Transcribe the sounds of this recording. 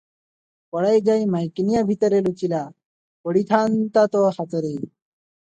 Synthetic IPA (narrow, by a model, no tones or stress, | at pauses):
pəɽajd͡zajmajknijabʱit̪əɾelut͡ɕila | pəɽit̪ʰant̪at̪ɔhat͡səɾe